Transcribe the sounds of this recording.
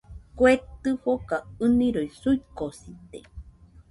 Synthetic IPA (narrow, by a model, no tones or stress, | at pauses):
kwet̪ɨhokaɨnĩɾojsuikosit̪ḛ